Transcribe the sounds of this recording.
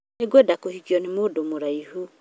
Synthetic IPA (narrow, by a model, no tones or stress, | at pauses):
neɡwɛdakohikiɔnemodomoɾaihu